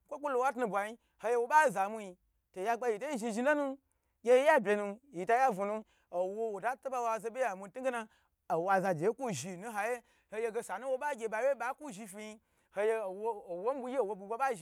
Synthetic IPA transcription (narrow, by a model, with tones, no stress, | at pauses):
ŋ̩kʷo˦ku˦lo˧˨wa˦tnu˧bʷa˨ji˧ | ho˧je˧wo˦ɓa˦˨za˨mu˧ji˧ | to˨ja˧ɡ͡ba˧ji˨to˦ji˦ʒi˧ʒi˧˦lo˦nu˦ | ɡʲe˧je˦ja˦bʲe˧nu˧ji˨ta˧˦ja˦vu˨nu˧ | o˨wo˦wo˨da˦tu˦ɓa˦wa˧˨ze˧bʲe˦ja˨mu˧˦tu˦ɡe˦na˧ | o˨wa˧za˧d͡ʒe˨jku˦ʒi˨nũ˦ɦa˧je˦ | ho˧je˧ɡe˧sa˨nu˦wo˧ɓa˦ɡʲe˧ba˨˦we˦ɓa˦ku˦ʒi˧fi˧ji˧ | ho˧je˧˨wo˦˨wo˦m˦bu˧ji˦o˨wo˧bu˧ba˦ɓa˦ʒi˧˨